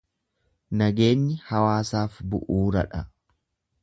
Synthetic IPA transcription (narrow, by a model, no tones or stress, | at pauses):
nɐɡe̞ːɲːɪhɐwaːsaːfbʊ̰ʔuːɾɐᶑɐ